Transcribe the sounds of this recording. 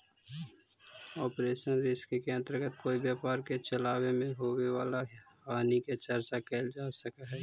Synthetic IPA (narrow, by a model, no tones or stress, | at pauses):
ɔːpɾeːʃənɾɪskekeə̃nt̪ɾəɡət̪koːibjaːpaːɾket͡ʃəlaːwemẽɦoːweʋaːlaaːniket͡ʃəɾt͡ʃakeːld͡ʒaːsəkaɦɛː